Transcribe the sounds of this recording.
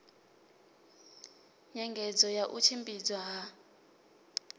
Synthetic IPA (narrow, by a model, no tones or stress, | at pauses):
ɲɛŋɡʱɛd͡zɔjaʔut͡ʃʰimbid͡zwaɦa